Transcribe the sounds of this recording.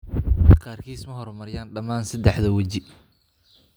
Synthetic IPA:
qɑːrkʰiːsmɐɦɔɾmɐɾɪjaːnɖɐmaːnsɐd̪ɛħðɐwɐt͡ʃɪ

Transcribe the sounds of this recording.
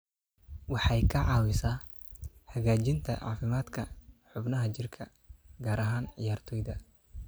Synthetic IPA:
wɑħɑjkʰɐʕɑːwɪsaː | hɐɣaːt͡ʃɪnt̪ʰɐ̰ʕɑ̰ːfɪmaːd̪kʰɐħʊbnɐɦɐt͡ʃɪrkʰɐ | ɡaːɾɐɦaːnʕɪ̰jaːrt̪ʰɔːjðɐ

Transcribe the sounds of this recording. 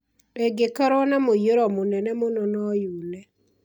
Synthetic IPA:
ɛɡekaɾɔnamojoɾɔmonɛnɛmonɔnɔjunɛ

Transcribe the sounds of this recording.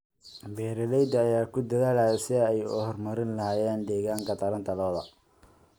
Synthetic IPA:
bɛːɾɐlɛjd̪ɐːjaːkʰʊd̪ɐðaːlajɐsɪɛjʊ̰hɔrmɐɾɪnlɐɦaːjɛːnd̪ɛːɣaːŋkʰɐt̪ʰɐɾɐnt̪ʰɐlɔːðɐ

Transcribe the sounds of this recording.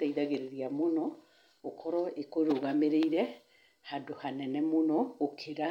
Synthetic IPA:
aiðaɣeɾeɾiamonɔ | okʰɔɾɔekoɾoɣameɾeiɾɛ | hadohanɛnɛmonɔokʰeɾa

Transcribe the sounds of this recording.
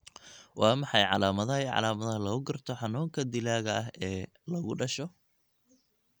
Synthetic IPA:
wɑːmɑħɑjʕɑlaːmɐðɐʕɑ̰laːmɐðɐhɐlɐɣʊɡɐrt̪ʰɔħɑnuːŋkʰɐd̪ɪlaːɣɐɐɦɛː | lɐɣʊɖɐʃɔ

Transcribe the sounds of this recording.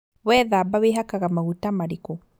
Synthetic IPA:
wɛðabaweɦakaɣamaɣutamaɾikɔ

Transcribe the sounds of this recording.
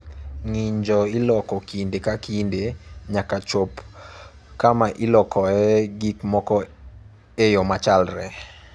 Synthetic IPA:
ŋiɲd͡ʒɔilɔkɔkindekakindeɲakat͡ʃop | kamaʔɪlɔkʰɔɛɡikmɔkɔ | ejomat͡ʃalɾɛ

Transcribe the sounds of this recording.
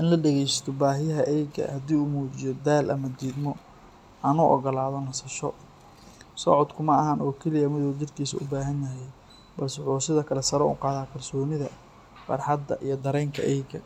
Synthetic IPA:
ʔɪnlɐɖɛɣɛjsɐ̥t̪ʰɔbaːɦɪjɐɦɐʔɛjɡɐ̰hɐd̪iːʊmuːt͡ʃɪjɔd̪aːlʔɐ̰mɐd̪iːd̪mɔ | ʔɐnuʔɔ̰ɣɔlaːðɔnɐsɐʃɔ | sɔʕɔd̪kʰʊmɐɐɦɐnɔːkʰɛlɪjɐmɪðɔːt͡ʃɪrkʰiːsɐ̰ʊbaːɦɐnjɐɦɛj | bɐlsʊħuːsɪðɐkʰɐlɛsɐɾɔʊ̰qɑːðaːkʰɐrsɔːnɪðɐ | fɐ̰rħɑd̪ːɐ̰ʔijɔd̪ɐɾɛjŋkʰɐ̰ʔɛjɡɐ̰

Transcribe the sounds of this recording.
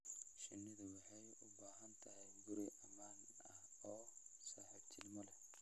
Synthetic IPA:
ʃɪnːɪðɐwɑħɑjʊbaːɦɐnt̪ʰɐɦɛjɡʊɾɪʔɐmaːn | ɐhɔːsaːħɛt͡ʃʰɪlmɔlɛ

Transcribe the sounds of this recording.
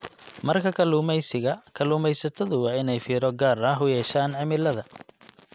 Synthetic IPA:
mɐrkʰɐkʰɐluːmɛjsɪɣɐkʰɐluːmɛjsɐt̪ʰɐðʊwɑːɪnɛjfiːɾɔɡaːrɐɦʊjɛːʃaːnʕɪmɪlɐðɐ

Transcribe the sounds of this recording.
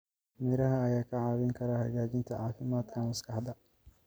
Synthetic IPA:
mɛɾɐɦɐːjaːkʰɐʕaːwɪŋkʰɐɾahɐɣaːd͡ʒɪnt̪ʰɐʕaːfɪmaːt̪kʰɐmɐskɐħd̪ɐ

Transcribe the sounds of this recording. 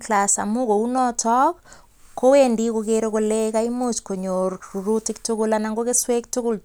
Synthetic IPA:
klasa̰mukounɔtʰɔk | kːowendikokeɾokolekaimot͡ʃkoɲoɾuɾutɪktukulanaŋɡokeswek̚tukul

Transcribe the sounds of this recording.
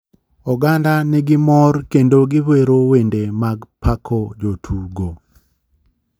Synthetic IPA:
ɔɡandanɛɡɪmɔrkendoɡɪweɾowendemaɡpʰakʰɔd͡ʒotʰuɡo

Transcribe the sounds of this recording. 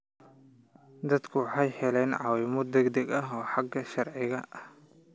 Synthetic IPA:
d̪ɐd̪kʰʊwɑħɑjħɛlɛnʕɑwɪmɔd̪ɛɡd̪ɐɡɐɦɔːħɑɡːɐʃɐrʕɪɣɐʔɐh

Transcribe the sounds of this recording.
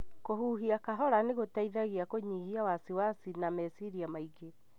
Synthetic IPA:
kohuːɦiakaɦɔɾaneɣotaiðaɣiakoɲiːhiawasiwasinamɛsiɾiamaiɡe

